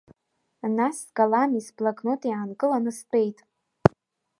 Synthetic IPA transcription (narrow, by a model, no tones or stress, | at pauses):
nasɡalanisblakʰʼnotʼiʕankʼɨlanɨspʼejtʼ